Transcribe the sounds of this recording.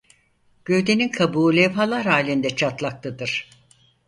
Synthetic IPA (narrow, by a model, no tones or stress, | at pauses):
ɟ̥øjd̪e̞ninkʰabuːlʲɛvɦalˠaɾhaːlʲind̪ɛt͡ʃʰat̪lˠak̚lˠɯd̪ɯɾ̥